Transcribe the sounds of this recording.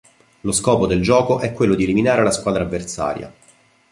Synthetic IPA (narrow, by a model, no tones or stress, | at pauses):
loskɔːpod̪eld͡ʒɔːkoʔɛkːwelːod̪ieliminaːɾelaskwaːd̪ɾavːert̪sa̰ːɾja̰